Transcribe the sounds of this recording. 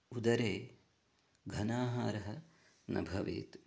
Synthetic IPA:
ud̪ɐɾeː | ɡʱɐnaːɦaːɾɐɦɐ | nɐ̰bʱɐʋḛːt̪

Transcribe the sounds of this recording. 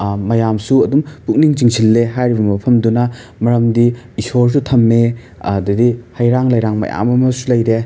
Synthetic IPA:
mɐjamsuɐdumpuk̚niŋt͡ʃiŋsilːeɦajɾibɐmɐpʰɐmdunɐ | mɐɾɐmdi | isoɾs̬utʰɐmːe | dɐdihɐjɾaŋlɐjɾaŋmɐ̰ja̰mɐmɐsulɐjɾe

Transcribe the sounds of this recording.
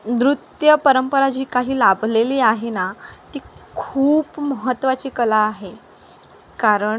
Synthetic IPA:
d̪ɾut̪jəpəɾəmpəɾad͡ʑiːkaɦiːlabʱleliːaɦenat̪iːkʰuːpməɦət̪ːʋat͡ɕiːkəlaːɦe | kaɾəɳ

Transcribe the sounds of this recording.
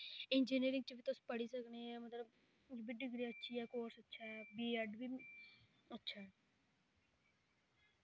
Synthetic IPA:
ɪnd͡ʒiːniːɾɪ̃ŋɡ̚t͡ʃəbʱit̪ʊspəɽisəkneɛ̃ːmət̪ləb | d͡ʒbiɖɪɡɾiːətːʃʰiɦɛːkoːɾsətːʃʰaɦɛːbiːəɖbʱi | ətːʃʰaɦɛː

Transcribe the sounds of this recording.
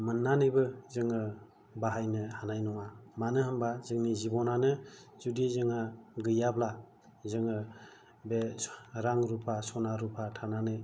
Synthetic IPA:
mɯnːanɯjbɯzɯŋɯ | baɦajnɯhanajnɔŋamanɯɦɯmbazɯŋnizibɔnanɯzudizɯŋaɡɯjabla | zɯŋɯ | beɾaŋɾupʰasɔnaɾupʰatʰananɯ

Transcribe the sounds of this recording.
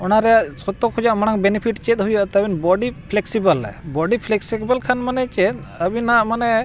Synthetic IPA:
ɔnaɾɛjaʔsɔt̪ɔkʰud͡ʒaʔmanaŋbɛnipʰiʈt͡ʃɛt̪̚ˀɦujaʔt̪abinbɔɖipʰlɛksibəlɛ̰bɔɖipʰlɛksɛkbalkʰanmanɛt͡ʃɛt̪̚əbinaʔmanɛ

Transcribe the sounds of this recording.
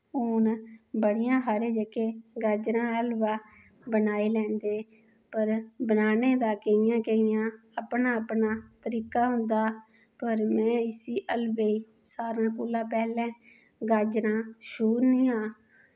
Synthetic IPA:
ʊːnbəɽijãːɦaːɾeːd͡ʒəkeːɡəːd͡ʒɾãːəlʋaː | bənaːiːlɛ̃ːnd̪eː | pəɾbənaːneːd̪aːkəijãːkəijãː | əpnaːpnaːt̪əɾiːkaːɦʊ̃nd̪aː | pəɾmɛ̃ːɪsiːʔəlʋeːiː | saːɾãːkuːlãːpɛːlɛ̃ː | ɡaːd͡ʒɾãːʃuːɾnĩːãː

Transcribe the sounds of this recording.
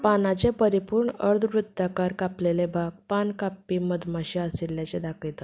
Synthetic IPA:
panat͡sepəɾipuːɾɳəɾd̪ʱʋɾud̪ːakaɾkaplelebʱaɡ̚pankapːiːməd̪maɕiasiljat͡ɕed̪akit̪ə

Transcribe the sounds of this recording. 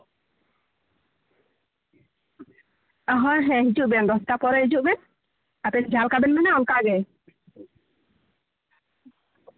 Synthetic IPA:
aɦɔ̃ɾɦɛ̃ɦid͡ʒuʔbɛnɾɔst̪apɔɾɛɦid͡ʒuʔbɛn | apɛnd͡ʒalkabɛnmɛnaɔnkaɡɛ

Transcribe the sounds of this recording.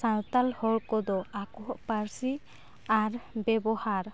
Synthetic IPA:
sãnt̪alhɔɽkɔd̪ɔakɔɦʔpaɾsi | aɾbɛbɔhaɾ

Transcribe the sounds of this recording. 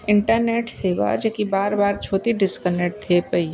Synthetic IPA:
ɪ̃ɳʈəɾneːʈseːʋa̰d͡ʒekibaːɾbaːɾt͡ʃʰoːt̪iɖɪskəneʈ̚t̪ʰepəi

